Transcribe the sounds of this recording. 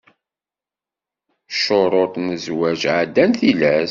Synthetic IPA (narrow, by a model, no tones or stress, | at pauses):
ʃoɾˤot̪ˤnəzwæʒʕəd̪ːænθilæs